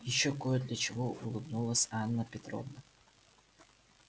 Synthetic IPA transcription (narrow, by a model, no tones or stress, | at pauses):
jɪɕːokojəd̪lʲɐt͡ɕɪvoʊlˠɨbnulˠəsʲanːəpʲɪt̪ɾo̰vnə